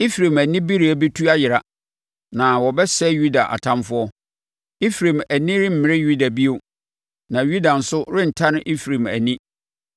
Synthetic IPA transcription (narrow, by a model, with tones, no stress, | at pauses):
i˦fɾe˨mæ˨nĩ˦bi˦ɾi˨æ˨be˦tʰu˦a˦jɪ˨ɾa˨ | nã˨wɔ˨bɛ˦sɛ˦ju˦da˨ʔa̰˨tʰã˦mfʊ˦ɔ˦ | i˦fɾẽ˨mæ˨nĩ˦ɾɪ˦m̩˨mɪ̃˨ɾɪ˦ju˦da˨bi˦o˨ | nã˨ju˦da˨n̩˨sʊ˦ɾɪ̃˦n̩˨tʰã˦nɪ̃˦ʔi˦fɾẽ˨mæ̰˨nĩ˦